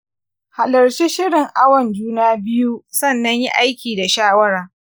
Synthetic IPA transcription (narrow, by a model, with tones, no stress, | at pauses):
ha˨lɐ˨ɾt͡ʃi˦ʃɪ˦ɽɪ˨ŋʔa˦wɐ˨nd͡ʒuː˦naː˦bɪ˦ju˦sɐ˦˨nːɐ˦ɲjḭ˦ʔa˦jkʲiː˨da˨ʃaː˦wɐ˦ɾaː˨